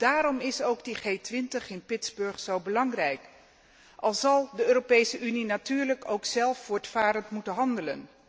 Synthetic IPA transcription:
d̥aːɾɔmɪsowɡdiχejtʋɪntəχɪnpɪtzbɵɹχsowbəlɑŋrɛjk | ʔɑlˠzɑlˠdəøːropejsəʔyninatyːɹləkowksɛlˠfːʊːɹtfaːɾəntmutənɦɑndələn

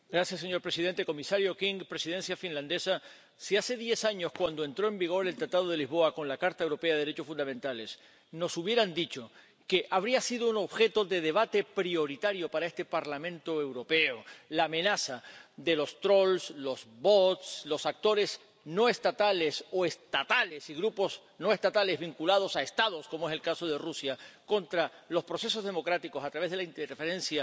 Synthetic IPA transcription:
ɡɾasjasːeɲo̞ɾpɾe̞sið̞e̞nt̪e̞ko̞misaɾjo̞kiŋɡpɾe̞sið̞e̞nsjafinlãnd̪e̞sa | siase̞ðje̞saɲo̞skwand̪o̞e̞nt̪ɾo̞e̞mbiɣ̞o̞ɾe̞lt̪ɾat̪að̞o̞ð̞e̞lizβo̞ako̞nlakaɾt̪aewɾo̞pe̞aðeɾe̞t͡ʃosfũnd̪amẽ̞nt̪ale̞s | no̞suβje̞ɾand̪it͡ʃo̞ | ke̞ʔaβɾiasiðouno̞βxe̞t̪o̞ðe̞ðe̞β̞at̪e̞pɾio̞ɾit̪aɾjo̞paɾaest̪e̞paɾlamẽ̞nt̪oewɾo̞peolaːmẽ̞nasad̪e̞lo̞st̪ɾo̞lslo̞zbot̪slo̞sak̚t̪o̞ɾe̞s | no̞e̞st̪at̪ale̞so̞e̞st̪at̪ale̞siɣɾupo̞s | no̞e̞st̪at̪ale̞zβiŋkulað̞o̞saest̪að̞o̞skomoe̞se̞lkaso̞ð̞e̞rusjako̞nt̪ɾalo̞spɾo̞se̞so̞zðe̞mo̞kɾat̪iko̞sat̪ɾaβezðelaint̪efeɾẽ̞nsja

